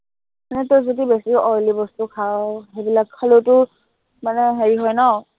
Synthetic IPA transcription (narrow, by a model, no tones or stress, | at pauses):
manɛtozodibesiɔɹlibɔstukʰawɦebilakʰːalotʊ | manɛɦeɹiɦɔjnɔ